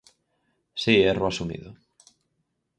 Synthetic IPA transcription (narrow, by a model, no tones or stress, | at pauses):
sieroasumḭðʊ